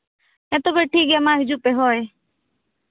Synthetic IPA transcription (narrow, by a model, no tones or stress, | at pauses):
ɛ̃ːt̪obeʈʰiːk̚amãːɦɪd͡ʒupeːɦoːe